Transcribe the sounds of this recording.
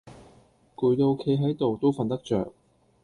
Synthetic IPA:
kuː˨˩jt̪o˧wkʰe˧jɦɐ˨˥jt̪o˨wt̪o˥wfɐ˨˧nt̪ɐ˥k̚t͡ʃœ̰ː˨k̚

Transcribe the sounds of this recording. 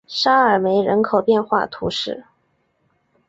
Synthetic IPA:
ʂa˥ə˞˨˩me˧˥ɪɻə˧˥nkʰo˨˩ʊpjɛ˥˧nxwa̰˥˩t̪ʰu˧˥ʂɻ̩˥˩

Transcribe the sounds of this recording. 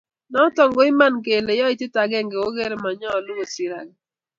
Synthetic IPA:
nɔ˦tɔ˨ŋɡo˦ɪ˦ma˦˨nk̬e˨le˨jɔ˦ɪ˦˨tɪ˦ta˨ɡɛ˦˨ŋɡe˨wo˦ɡe˦ɾe˦ma˨ɲɔ˦˨lʊ˦ɡo˨si˨ɾa̰˨ɡɛ˨

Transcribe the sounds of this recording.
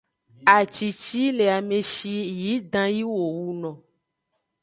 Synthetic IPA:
a˨t͡ʃi˨t͡ʃi˦le˨a˨mẽ˨ʃi˦ji˨˦dã˦ji˦wo˨wu˦nɔ̃˨

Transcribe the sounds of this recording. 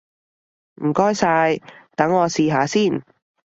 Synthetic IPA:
m̩˨˩kɔː˥jsaː˧jt̪ɐ˨˥ŋːɔː˨˧siː˧ɦaː˨˧siː˥˩n

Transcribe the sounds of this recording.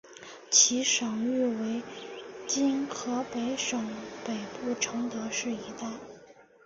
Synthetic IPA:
t͡ɕʰi˧˥ʂɑ˨˩ŋy˥˩we˧˥ɪt͡ɕi˥nkʰɤ˧˥pe˧˥ɪʂɤ˨˩ŋpe˨˩ɪpu˥˩ʈ͡ʂʰɤ˧˥ŋt̪ɤ˧˥ʂɻ̩˥˩i˧˥t̪a˥˩ɪ

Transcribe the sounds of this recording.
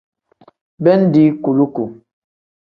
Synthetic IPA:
bɛ˦n̩˦di˦ku˨lu˦ku˨

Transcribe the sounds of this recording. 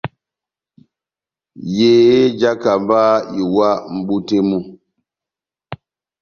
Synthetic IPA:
je˨˦d͡ʒa˦ka˨mbaː˦i˨wa˦m̩˦bu˦te˦mu˦

